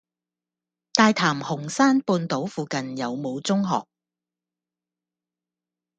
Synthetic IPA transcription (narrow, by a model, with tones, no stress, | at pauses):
t̪aː˧jt̪ʰaː˨˩mhʊ˨˩ŋsaː˥npuː˧nt̪o˨˥wfuː˨˧kɐ˨njɐ˨˧wmo˨˧wt͡sʊ˥ŋɦɔ̰ː˨k̚